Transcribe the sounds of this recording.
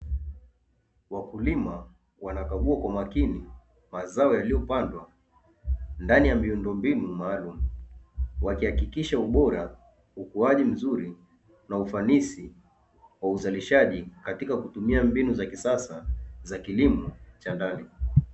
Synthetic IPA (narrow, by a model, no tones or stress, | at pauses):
wakulima | wanakaɠuakwamakini | mazaɔjalijɔpandwa | ndanijamiundɔmbinumaːlumu | wakihakikiʃauɓɔɾa | ukuaʄim̩zuɾi | naufanisi | wauzaliʃaʄikatikakutumiambinuzakisasazakilimɔt͡ʃandani